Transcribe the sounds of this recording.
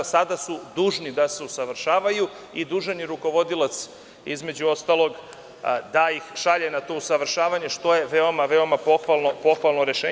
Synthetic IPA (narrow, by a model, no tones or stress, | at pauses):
sad̪asud̪uːʒnid̪ase̞usaʋr̩ʃaːʋaju | id̪uːʒeniɾuko̞ʋo̞d̪ilat̪s | izme̞d͡ʑuo̞st̪alˠo̞ɡ | d̪ajixʃaʎenat̪o̞usaʋɾ̩ʃaːʋaɲe̞ʃt̪o̞je̞ʋeo̞maʋe̞o̞mapo̞xʋalˠno̞po̞xʋalˠnoɾe̞ʃeː